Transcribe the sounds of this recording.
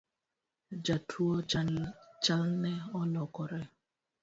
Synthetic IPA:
d͡ʒatʰuɔ | t͡ʃalnɛɔlɔkɔɾɛ

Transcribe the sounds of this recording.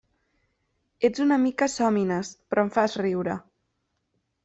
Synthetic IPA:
ed͡zunəmikəsɔminəspɾʔɔɱfazriwɾə

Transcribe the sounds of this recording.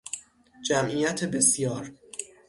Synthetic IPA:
d͡ʒæmʔijæt̪ʰebe̞sjɒːɾ

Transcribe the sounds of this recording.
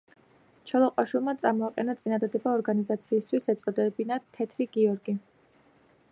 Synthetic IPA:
t͡ʃʰɛlˠɔqʼwaʃwilˠmat̪sʼamɔaqʼɛnat̪sʼinad̪ad̪ɛbaɔɾɡanizat̪sʰiːst̪ʰwisɛt̪sʼɔd̪ɛbinat̪ʰɛt̪ʰɾiɡiɔɾɡi

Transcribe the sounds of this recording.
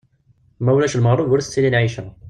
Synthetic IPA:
mæwlæʃlməʁrˤːovʊɾθə̥t͡sːilinʕiʃæ

